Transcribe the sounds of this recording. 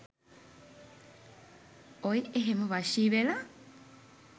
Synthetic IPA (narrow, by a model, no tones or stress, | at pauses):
ojeɦemoʋaʃiʋela